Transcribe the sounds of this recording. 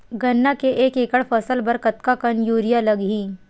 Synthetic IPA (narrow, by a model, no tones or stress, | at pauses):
ɡɐnːakeʔeːkeːkəɽfɐsəlbɐɾkɐt̪kakənjuːɾijalɐɡɦĩː